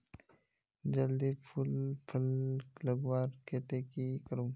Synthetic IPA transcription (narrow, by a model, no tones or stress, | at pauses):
d͡ʒɐld̪ipʰulpʰɐlləɡwaːɾket̪eːkikəɾũː